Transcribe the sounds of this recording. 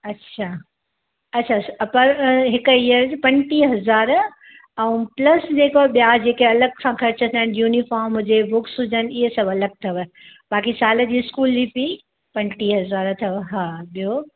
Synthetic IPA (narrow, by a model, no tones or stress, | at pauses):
ɐtːɕʰaː | ɐtːɕʰaspɐɾɦɪkiəɾd͡ʑpɐ̃nʈiɦɐzaːɾ | ɛũplɐsd͡ʑeːkoɓijad͡ʑeːkeɐləɡ̚kʰãkʰɐɾt͡ɕət̪ʰaɪnjuːnifaːɾmɦʊd͡ʑebʊksʊd͡ʑəniɦesɐbɐləɡ̚t̪ʰɐʋ | baːkisaːləd͡ʑiːɪskuːlːipi | pɐ̃nʈiɦɐzaːɾt̪ʰɐʋɦaːɓijo